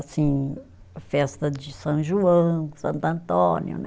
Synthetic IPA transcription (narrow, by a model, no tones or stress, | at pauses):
sĩ | fɛst̪ɐd͡ʒɪsɐ̃wʒuɐ̃sɐ̃nt̪ɐ̃nt̪õnjʊ̰nɛ